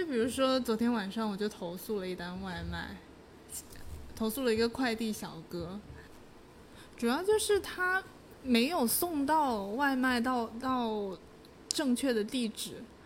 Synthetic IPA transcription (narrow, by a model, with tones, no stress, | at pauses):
pi˨˩ɻu˧˥ʂwɔ˥t͡swɔ˧˥t̪ʰjɛ˥nwa˨˩nʂɑ˥˩ŋwɔ˨˩t͡ɕjo˥˩ʊt̪ʰo˧˥ʊsu˥˩lə˩i˥˩t̪a˥nwa˥˧ɪma̰˥˩ɪ | t̪ʰo˧˥ʊsu˥˩lə˩i˧˥ɡə˧kʰwa˥˧ɪt̪i˥˩ɕjɑ˨˩ʊkɤ˥ | ʈ͡ʂu˨˩jɑ˥˧ʊt͡ɕjo˥˧ʊʂɻ̩˥˩t̪ʰa˥ | me˧˥ɪjo˨˩ʊsʊ˥˧ŋt̪ɑ˥˧ʊwa˥˧ɪma˥˧ɪt̪ɑ˥˧ʊt̪ɑ˥˧ʊ | ʈ͡ʂɤ˥˧ŋt͡ɕʰɥɛ˥˩d̪ə˩t̪i˥˩ʈ͡ʂɻ̩˨˩˦